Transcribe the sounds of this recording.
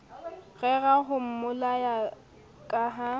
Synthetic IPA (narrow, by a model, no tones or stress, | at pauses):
ɣɛɣaɦʊm̩mʊlaja | kʼaːɦa